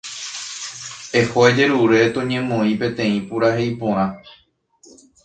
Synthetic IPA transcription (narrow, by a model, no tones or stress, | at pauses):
ehoed͡ʒe̞ɾuɾe̞t̪õɲẽ̞mõĩpẽ̞t̪ẽ̞ĩpuɾahe̞jpõɾ̃ã